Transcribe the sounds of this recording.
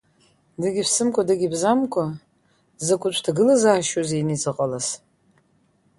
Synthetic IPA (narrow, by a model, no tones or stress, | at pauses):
dɨɡʲipsɨmkʷʼadɨɡʲibzamkʷʰʼa | zakʷʼʊt͡ʃʷʰtʰaɡɨlazaːʃozejnit͡sʼɨqʼalas